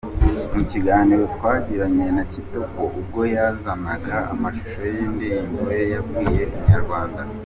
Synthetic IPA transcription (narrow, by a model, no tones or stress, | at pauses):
muciɡaːniɾo̞twaːɟiɾaɲe̞nacitukoʔub̚ɡo̞jazanaɡa̰ːmaʃu̥ʃojiːndiɾiŋɡwe̞jaɡɡiːje̞iɲaɾɡwaːnda